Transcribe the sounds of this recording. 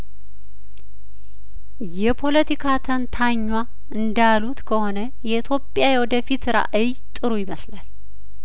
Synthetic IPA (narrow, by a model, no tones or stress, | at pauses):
jɛpʰo̞lət̪ʰikʰat̪ʰənt̪ʰaɲːwa | ɨnd̪alut̪kʰəho̞nə | jɛit̪ʰjo̞pʼːjajɛwɔd̪əfit̪ɾa̰ʔɨj | t̪ʼɨɾujɪməslal